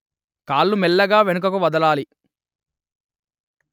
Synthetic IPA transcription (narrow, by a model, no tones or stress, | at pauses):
kaːlːumɛlːɐɡaːʋenuk̬ɐkuʋɐd̪ɐlaːli